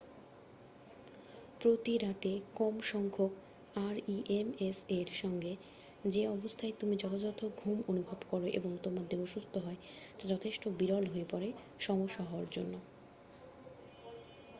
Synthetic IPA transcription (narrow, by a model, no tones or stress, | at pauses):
pɾot̪iɾat̪ekɔmʃɔŋkʰok | aɾiʔemeseɾʃɔŋɡe | d͡ʑeɔbost̪ʰaet̪umid͡ʑɔt̪ʰad͡ʑɔt̪ʰːoɡʱumonubʱabkɔɾoʔḛboŋt̪omad̪eoʃust̪oɦɔead͡ʑɔt̪ʰeʃʈobiɾɔlɦoepɔɾe | ʃɔmoʃɔɦoaɾd͡ʑo̰nːo